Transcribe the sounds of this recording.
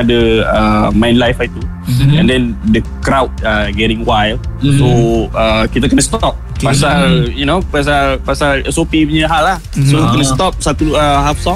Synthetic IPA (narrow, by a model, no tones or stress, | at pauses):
dəəmãj̃nlajfait̪u | ɛ̰̃ndɛ̃ndəkɾawt̚aɡɛɾĩŋwajlsoəkit̪akənəst̪ɔp̚pasaljunopas̬alpasaləsopipəɲəɦalahsokənəst̪ɔp̚sat̪uəɦafsɔ̃